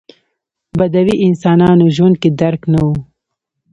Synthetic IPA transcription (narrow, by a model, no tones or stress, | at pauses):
bad̪awiʔɪnsɑːnɑnoʒwand̪̚ked̪aɾknawu